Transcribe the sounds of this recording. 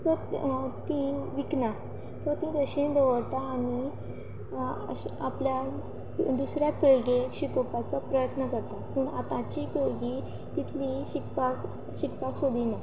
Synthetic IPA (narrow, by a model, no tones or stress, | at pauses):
t̪əɾt̪ĩʋikna | t̪t̪ĩd̪əɕind̪əʋəɽt̪aːɽ̃i | aplja | d̪usɾjapeɭɡeɕikopat͡sɔpɾəjət̪nəkəɾt̪apuːɳa̰t̪ãt͡ɕiːpeɭɡiː | t̪it̪ʰliːɕikpak | ɕikpaksod̪ʱina